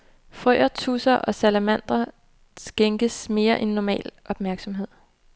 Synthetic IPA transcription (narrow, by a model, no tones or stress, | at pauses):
fʁœːɐt͡sʰusɐʔɒ̽sælæmæn̰d̥ɐ | sɡ̥eŋɡ̥əsme̝ːɐʔenːɒmɛ̰ːlʔɒ̽b̥mæɐɡ̥sɒ̽mɦe̝ð̰ˠ